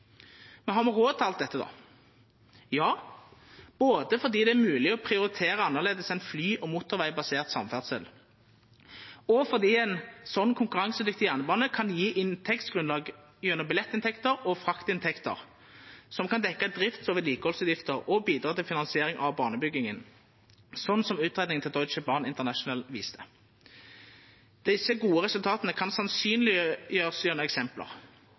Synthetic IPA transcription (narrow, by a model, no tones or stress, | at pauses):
mɛnɦɑʁmɛʁoːd̪t̪ʰɑlt̪̚d̪ɛt̪ːəd̪ɔ̰ | jɑː | b̥oːd̪əfɔʁd̪iːd̪ɛæʁmʉːlɪɔpʰɾɪʊɾɪt̪ʰeːɾəɑnːəʁleːd̪əsæɪnflyːʔɔmuːt̪ːʊʁʋæɪbɑseːʁt̪sɑ̰mfæʁd̪sə̰l | ɔfɔʁd̪iːɛɪnsɔnːkʰʊŋkʉʁɑŋsʉd̪ɪkt̪ɪjæʁnəbɑːnəkʰɑnjiːʔɪnt̪ʰɛkt̪sɡ̥ʁʉnlɑːɡ | jœnəbɪlɛt̪ːɪnt̪ʰɛkt̪əɾɔfʁɑkt̪ɪnt̪ʰɛkt̪ə̰ʁ | sɔmkɑnd̪ɛkːəd̪ʁɪft̪soːʋəliːkəhɔlsʉːt̪jɪft̪əʁɔbiːd̪ʁɑːt̪ɪlfɪnɑnsɪeːʁɪŋʔɑʋbɑːnəbʏɡːɪŋən | sɔn̩ːsɔmʉːt̪ʁeːd̪nɪŋt̪ʰɪld̪ɔʏt͡ʃəbɑːʁnɪnt̪əʁnæʃʊnəlʋiːst̪ʰə | d̪̥ɪsːəɡuːəʁɛsʉlt̪ʰɑːt̪ənəkʰɑnsɑnsyːnlɪjøːʁəsjøːʁnəɛksɛmplə̰ʁ